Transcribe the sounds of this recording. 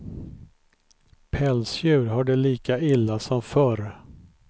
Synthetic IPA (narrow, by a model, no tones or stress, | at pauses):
pʰɛlsjʉ̟ːɾɦaɖɛliːkaɪlːasɔmfœɾ